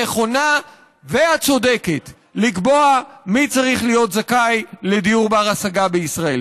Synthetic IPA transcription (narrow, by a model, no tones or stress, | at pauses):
eχo̞na | ve̞at͡so̞d̪e̞ke̞t | likbo̞amit͡saʁiχlijo̞t̪zakajle̞d̪ijuʁbaʁasaɡabeisʁae̞l